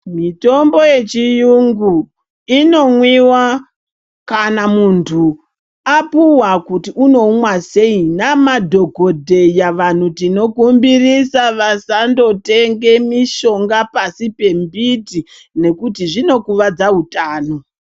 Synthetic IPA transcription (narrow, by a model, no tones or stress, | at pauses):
mito̞mbo̞je̞t͡ʃijuŋɡu | ino̞mwiwa | kanamuntʰu | apuwakutiuno̞mwase̞inamadʱo̞ɡʱodʱe̞jaʋan̤utino̞kumbirisaʋasando̞te̞ŋɡe̞miʃo̞ŋɡapasipe̞mbiti | ne̞kutiʐino̞kuʋad͡zaɦutaːno